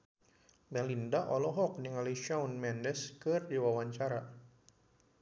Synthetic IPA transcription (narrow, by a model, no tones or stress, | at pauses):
mɛlindaʔɔlɔɦɔk̚niŋaliʃaunmɛndɛskɨrdiwawaɲt͡ʃaɾa